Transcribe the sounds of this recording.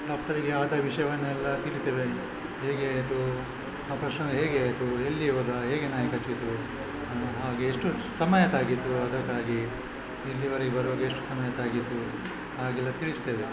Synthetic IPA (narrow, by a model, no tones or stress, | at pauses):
ɖaːk̚ʈɐɾiɡe̞aːd̪ɐʋiʂɐjɐʋɐnːɛlːɐt̪iɭit̪eːʋe | ɦeːɡeaːjt̪u | apɾɐʂnɐɡɐɦe̞ːɡeaːjt̪uelːiʋoːd̪ɐɦeːɡenaːjɐkɐt͡ʃit̪ːu | ɦaːɡeːʂʈu | sɐmɐjɐt̪aːɡit̪ːuɐd̪ɐkːaːɡi | elːiʋɐɾeɡebɐɾɐʋoːɡeeʂʈu̥sɐmɐjɐt̪aːɡit̪ːu | haːɡɛlːɐt̪iɭist̪eːʋe̞